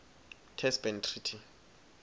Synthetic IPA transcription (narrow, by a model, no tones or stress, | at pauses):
tʰɛsbɛntʰritʰi